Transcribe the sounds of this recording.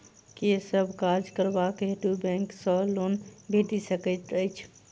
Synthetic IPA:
kesəbʱkaɾd͡ʒkəɾbakɦeʈubɛ̃ŋksəlonbʱet̪isəkət̪əɪt͡ʃʰ

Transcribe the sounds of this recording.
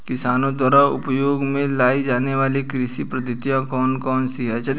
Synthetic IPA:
kɪsaːnõd̪waːɾaʊ̰pjoːɡmẽlaːid͡ʒaːneʋaːlikɾɪʃipɾɐd̪ɪt̪ijãkɔːnkɔːnsiɦɛːt͡ʃɐ

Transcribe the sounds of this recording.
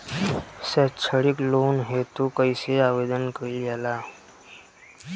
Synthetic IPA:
sət͡ʃʰəɽikloːnɦet̪okəiseaːʋed̪ənkəijaːlaː

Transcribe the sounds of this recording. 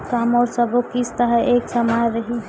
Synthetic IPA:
kamɔɾsəbokist̪əɦəʔeksəmajɾəɦi

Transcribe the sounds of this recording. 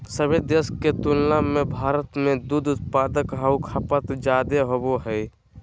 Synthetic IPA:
səbed̪eskːet̪ulnamebʱaːɾət̪mẽd̪ud̪ʊt̪̚paːd̪əkɦaːukʰapət̪d͡ʒaːd̪eɦoboɦɛj

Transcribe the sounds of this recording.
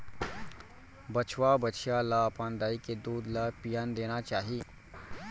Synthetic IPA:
bət͡ʃʰwabət͡ʃʰijalapãːnd̪aːiked̪uːd̪lapijand̪eːnat͡ʃaːɦi

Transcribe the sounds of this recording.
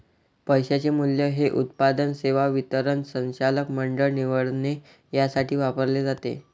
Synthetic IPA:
pəjɕat͡ɕemuljəɦeʔut̪pad̪ənseʋaʋit̪əɾənsə̃nt͡ɕaləkməɳɖəɭniʋəɭne | jasaʈʰiːʋapəɾled͡zat̪ḛ

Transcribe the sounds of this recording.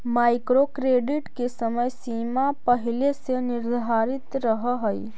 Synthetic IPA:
maːɪkɾokɾeːɖɪʈkesəməjsiːmapəɦɪlesenɪɾd̪ʱaːɾɪt̪ɾəɦɦəj

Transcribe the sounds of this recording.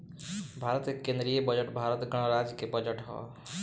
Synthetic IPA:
bʱaɾət̪kekẽnd̪ɾijebəd͡ʒəʈbʱaɾət̪ɡəɽ̃ɾad͡ʒkebəd͡ʒəʈɦɔ̰

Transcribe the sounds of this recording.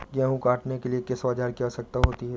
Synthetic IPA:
ɡjaːɦũkaːʈnekeliekesʋaːd͡ʒaːɾkijasɐk̚t̪aɦoːt̪iɦɛ

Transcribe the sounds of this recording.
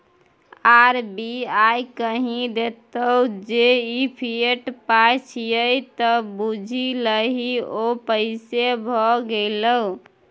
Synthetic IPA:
aɾbiajkəɦĩd̪et̪əud͡ʒeipʰieʈpat͡ʃʰijəjt̪əbud͡ʒʱiləɦiopəɪsebʱɔɡeləu

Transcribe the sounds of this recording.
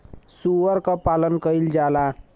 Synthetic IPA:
suʋəɾkapalənkəild͡ʒala

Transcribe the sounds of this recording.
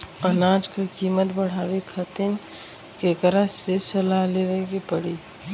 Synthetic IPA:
ənaːd͡ʒkakiːmət̪bəɽ̤aːʋekʰət̪en | kekəɾəsesəlaleɾəekepəɽiː

